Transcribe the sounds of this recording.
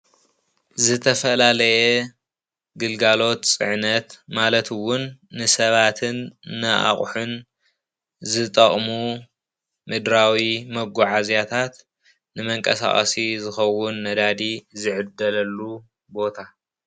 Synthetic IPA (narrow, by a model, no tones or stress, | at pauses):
zɨt̪ʰɐfɐlalɐjɛ | ɡɨlɡalo̞t̪t͡sʼɨ̰ʕnɐt̪malɐt̪ɨwʊnːɨsɐβat̪ʰɨnːɨʔa̰χʼħun | zɨt̪ʼɐχʼmu | mɨd̪ɾawimɐɡuʕazjat̪ʰat̪ | nɨmɐŋkʼɐ̰sa̰χʼɐ̰sizɨxɐwʊnːɐd̪ad̪izɨʕɨd̪ːɐlɐlːu | bo̞t̪ʰa